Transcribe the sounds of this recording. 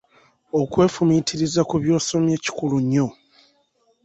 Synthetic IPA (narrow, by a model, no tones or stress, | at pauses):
okwe̞ːfumitʰiɾizakuβjo̞ːso̞mje̞ːci̥kuluɲːo̞